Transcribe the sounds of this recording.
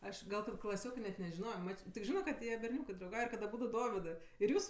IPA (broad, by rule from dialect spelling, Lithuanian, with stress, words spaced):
ˈɐʃ ˈɡɐlˠ kɐt klˠɐˈsʲoːkɜ nʲɛt nʲɛʒʲɪˈnoːjoː ˈmɐt͡ʃ tʲɪk ˈʒʲɪnoː kɐt ˈjiɛ bʲɛrʲˈnʲuːkɜ drɐʊˈɡɐʊj ɪr kɐt ɐˈbuːdʊ ˈdoːʋʲɪdɜ ɪr ˈjuːs